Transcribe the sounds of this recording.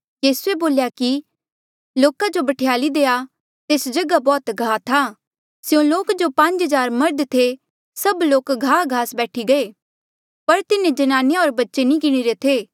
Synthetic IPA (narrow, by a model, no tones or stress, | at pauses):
jiːsueboːljaki | loːkad͡ʒobɐʈʰejaːlid̪eːa | t̪eːsd͡ʒɐɡabɔːt̪ɡʱaːt̪ʰaː | sjõloːkd͡ʒopɐ̃ɲd͡ʒɦɐzaːɾmɐɾd̪t̪ʰe | sɐbloːkɡʱaːɡʱaːsbɛːʈʰiɡɐeː | pɐɾt̪ɪnẽd͡ʒɐnaːnejaɔːɾbɐtːʃenĩkɪɽ̃iɾet̪ʰeː